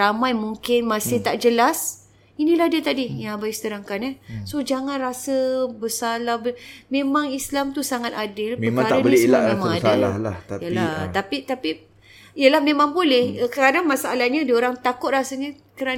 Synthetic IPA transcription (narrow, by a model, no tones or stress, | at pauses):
amajmuŋkɪnmasɪht̪aʔd͡ʒəlas | inĩlahdiət̪adijaŋabajsə̥t̪əɾaŋkanɛhsod͡ʒaŋanrasəbəsalahbəmẽmaŋislamt̪usaŋat̪adɪlməaɾaanəieslaemaŋaala̰la̰ajəlaht̪apit̪api | ijəlahmemaŋbolɛhkəadaŋmasaʔalahɲadioɾaŋt̪akʊt̪̚rasəɲə | kəɾa